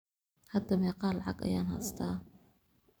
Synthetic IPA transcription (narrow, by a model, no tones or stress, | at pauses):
hɐd̪ɐmɛqɑːlɑʕɑ̰ɡɐ̰jaːnha̰st̪ʰaː